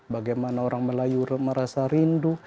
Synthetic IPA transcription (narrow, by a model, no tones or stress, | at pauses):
baɡajmanaoɾaŋməlajuməɾasaɾindu